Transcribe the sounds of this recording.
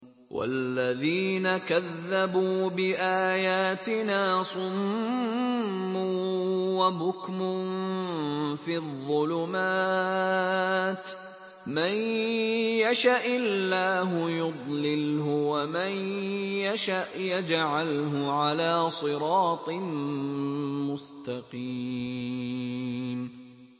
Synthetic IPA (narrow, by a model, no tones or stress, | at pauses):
wʔa̰lːaðiːnakaðːabuːbɪʔaːjaːt̪ɪnaːsˤʊm | uːwabʊkmʊ | fiːðˤːʊlʊmaː | t̪ | man | jaʃaʔɪlːaːɦʊjʊd̪ˤlɪlɦʊwamanjaʃaʔjad͡ʒʕalɦʊʕalaːsˤɨɾɑːt̪ˤɨ | mʊst̪ɑqi | m